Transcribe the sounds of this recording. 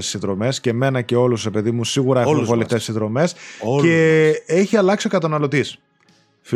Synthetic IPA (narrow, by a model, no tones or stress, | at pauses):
ssinðɾo̞me̞sce̞me̞nɐce̞o̞luzɾe̞pe̞ðimusiɣuɾɐeuvoleft̪essiðɾo̞me̞sceeçiɐlɐksio̞kɐt̪ɐnɐlo̞t̪is | f